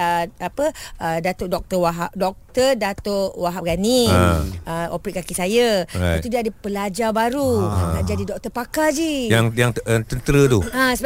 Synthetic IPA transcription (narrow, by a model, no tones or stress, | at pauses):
əapəədat̪oʔdɔk̚t̪əwaɦap̚dɔk̚t̪ərdat̪oʔwaɦap̚ɡani | əo̰pɾiʔ̚kakisajaa̰at̪udiəadəpəlad͡ʒabaɾunaʔd͡ʒadidɔk̚t̪əpakad͡ʒijaŋjaŋt̪ənt̪əɾət̪uãsə